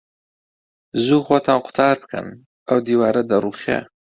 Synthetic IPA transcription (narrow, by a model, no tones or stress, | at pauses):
zuːxwot̪ʰanqʊ̥t̪ʰɑːɾpkʰə̰n | awd̪iːwɑːɾad̪aɾuχa̰